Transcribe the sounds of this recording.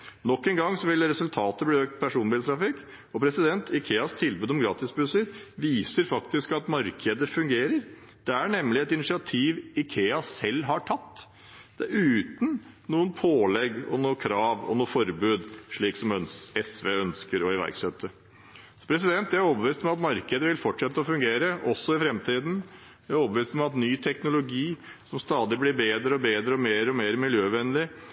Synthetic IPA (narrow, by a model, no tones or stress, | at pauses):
nɔkːɛːnɡɑŋːsɔʋɪlɾɛsʉlt̪ʰɑːt̪əbliːøːk̚t̪̚pʰæʂuːnbɪlt̪ʰɾɑfɪkː | ɔpʰɾɛsɪd̪ɛnt̪ʰɪkʰeːɑst̪ʰɪlbʉːd̪ɔmɡɾɑːt̪ɪsbʉsəɾʋiːsəɾfɑkt̪ɪskɑt̪mɑɾkʰəd̪əfʉŋɡeːɾəɾ | d̪̥ɛæɳɛmlɪɛt̪ɪnɪsɪɑt̪ʰiːʋɪkʰeːɑsɛlːɦɑʈʰɑt̪ː | d̪̥ɛæɾʉːt̪n | nuːənpʰoːlɛɡɔ̰noːkʰɾɑːʋɔ̰nuːfɔɾbʉːd̪ʂɭiːksɔmœnɛsʋeːœnskəɾɔɪʋæ̰ɾksɛt̪ʰːə | sɔ̥pʰɾɛsɪd̪ɛnt̪jææɾɔbəʋiːst̪ɔmmɑt̪mɑɾkəd̪əʋɪlfɔʈʂɛt̪ːəɔfʉŋɡeːɾəʔɔsːɔɪfɾɛmt̪ʰiːd̪n | jæɔːbəʋiːst̪ɔmɑt̪nyːt̪ʰɛknʊlʊɡiːsɔmst̪ɑːd̪ɪblɪɾbeːd̪ɾəɔbeːd̪ɾəɔmeːɾəɔmeːɾmɪljøːʋɛnːəlɪ